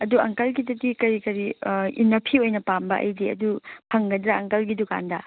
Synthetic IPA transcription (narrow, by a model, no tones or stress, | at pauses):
ɐduɐŋkɐlɡidɐdikɐɾikɐɾiinːɐpʰiojnɐpambɐʔɐ̰jdiɐ̰dupʰɐŋɡɐdɾɐɐŋkɐlɡiduka̰ndɐ